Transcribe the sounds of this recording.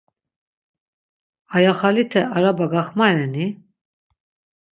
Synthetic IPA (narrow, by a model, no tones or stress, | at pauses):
ajaχalit̪ʰɛʔaɾabaɡaχmaɾɛni